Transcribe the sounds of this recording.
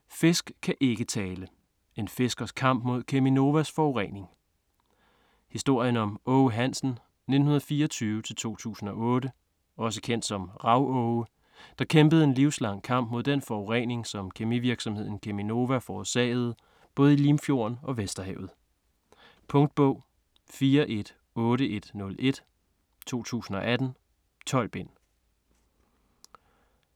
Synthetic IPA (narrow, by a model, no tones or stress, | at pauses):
fe̝sɡ̥kʰːæʔe̝ɡ̥ət͡sʰɛːlə | e̝nfe̝sɡ̥ɐskʰɑ̈m̰b̥mo̝ð̞̰ˠkʰemino̝ʋæsfɒʊʁḛne̝ŋ | hisd̥o̝ɐ̰jənɒ̽mɔʊɦæn̰sn̩ | ne̝d̥n̩hunɐð̩ˠfiːɐɒt͡sʰyːʊət͡sʰe̝lt͡sʰo̝̰ːt͡sʰṵːsn̩ɒ̽ʔɔ̽ːɾə | ɒ̽s̬əkʰen̰d̥sɒ̽mʁɑ̈ʊɔʊə | d̥ɑ̈kʰemb̥əð̩ˠe̝nliʊslɑ̈ŋ̰kʰɑ̈m̰b̥̚mo̝ð̞̰ˠd̥enfɒʊʁeŋne̝ŋsɒ̽mkʰemiʋiɐɡ̥sɒ̽mhe̝ð̞̰ˠn̩kʰemino̝ʋæfɒsɛ̰ːð̞̩ˠ | b̥ɔ̽ːð̩ˠilimfjo̝̰ɐ̰nɒ̽ʋesd̥ɐɦɛʊð̞̩ˠ | pʰɔ̽ŋd̥̚b̥ɔ̽ʊ̰ | fiːɐʔe̝d̥ | ɔ̽ːɾəʔe̝d̥nɔ̽lʔe̝d̥ | t͡sʰo̝̰ːt͡sʰṵːsn̩ɒ̽ʔæd̥n̩ | t͡sʰɒ̽l̰b̥e̝n̰